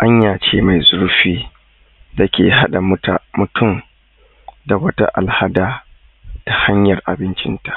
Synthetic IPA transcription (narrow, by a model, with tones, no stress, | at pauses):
ʔa˦ɲjaː˨t͡ʃeː˦ma˨jzʊ˦ɾɸiː˦ | da˦kʲeː˨ɦa˦ɗa˨mʊ˦ta˨mʊ˨tʰʊ˦˨m | da˨wɐ˦ta̰˦ʔa̰˨lha˦daː˦ | ta˨ha˦ɲjɐ˨rʔa˨bɪ˦nt͡ʃɪ˦nta˨ʔ